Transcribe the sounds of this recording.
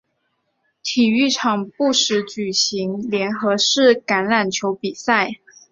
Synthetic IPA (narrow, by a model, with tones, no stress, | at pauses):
t̪ʰi˨˩y˥˩ʈ͡ʂʰɑ˨˩ŋpu˥˩ʂɻ̩˧˥t͡ɕy˨˩ɕi˧˥ŋljɛ˧˥nxɤ˧˥ʂɻ̩˥˩ka˧˥nla˨˩nt͡ɕʰjo˧˥ʊpi˨˩sa˥˩ɪ